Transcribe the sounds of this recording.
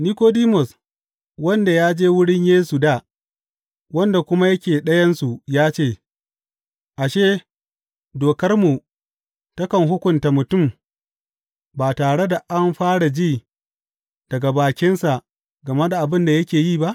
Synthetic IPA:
niː˦koː˦diː˦mɔ˨s | wɐ˦nda˨jaː˦d͡ʒeː˦wʊ˦ɽɪ˦ɲjeː˦su˨daː˦˨ | wɐ˦nda˨kʷʊ˦ma˦jɐ˦kʲeː˨ɗɐ˦jɐ˦nsu˨jaː˦t͡ʃeː˦˨ | ʔa˨ʃeː˦ | doː˨kɐ˦rmu˨ | tɐ˦kɐ˨ŋɦʊ˦kʷʊ˨nta˨mʊ˨tʊ˦˨m | baː˨taː˨ɽe˦da˨ʔa˦mɸaː˦ɽa˨d͡ʒiː˦˨ | d̥ɐ˨ɡa˨baː˨kʲɪ˦nsa˨ | ɡɐ˨ma˦da˨ʔa˨bɪ˦nda˨jɐ˦kʲeː˨ji˦˨ba˦ʔ

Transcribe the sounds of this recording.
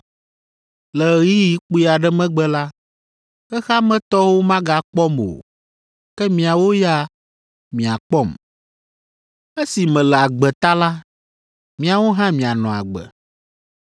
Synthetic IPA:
lɛ˨ɣi˦ji˨k͡pu˦i˦a˨ɖɛ˦mɛ̃˦ɡ͡bɛ˦la˦ | ɛ˦xa˦mɛ̃˦t̪ɔ˦wo˦mã˦ɡa˨k͡pɔ˦mo̰˨ | kɛ˦mĩ˨a˨wo˦ja˦ | mĩ˨a˨k͡pɔ˦˨m | ɛ˦si˨mɛ̃˨lɛ˨a˨ɡ͡bɛ˨t̪a˦la˦ | mĩ˨a˨wo˦ɦã˦mĩ˨a˨nɔ̃˨a̰˨ɡ͡bɛ̰˨

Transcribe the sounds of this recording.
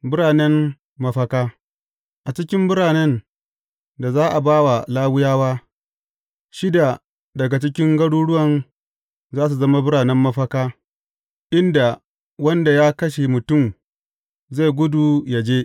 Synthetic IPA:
bʊ˦ɽaː˨nɛ˦mː | ɐ˦ɸɐ˦kaː˦ | ʔa˨t͡ʃɪ˦kʲɪ˦mbʊ˦ɽaː˨nɛ˦n | da˨zaː˦ʔa˨baː˦wa˨laː˦wʊ˦jaː˦waː˦ | ʃɪ˦da˨ | dɐ˨ɡa˨t͡ʃɪ˦kʲɪ˦ŋɡɐ˦ɽuː˦ɽʊ˦wɐ˨n | zaː˦s̬u˨zɐ˦ma˦bʊ˦ɽaː˨nɛ˦mːɐ˦ɸɐ˦kaː˦ | ʔɪ˦nda˨ | wɐ˦nda˨jaː˦kɐ˦ʃe˨mʊ˨tʊ˦˨m | za˦˨jɡʷʊ˦du˨ja˨d͡ʒeː˦

